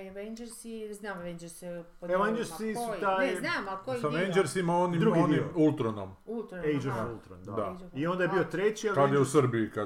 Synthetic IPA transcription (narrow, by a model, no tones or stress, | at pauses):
ʋeɲd͡ʒeɾsiznaːmʋeɲd͡ʒeɾspeʋaɲd͡ʒeɾssisut̪aːjnaːmakojsaʋeɲd͡ʒeɾsimaonimd̪ɾuɡiiulˠt̪ɾonomult̪ejd͡ʒulˠt̪ɾond̪aio̞nd̪ajebiot̪ɾet͡ɕiakad̪jeusr̩biika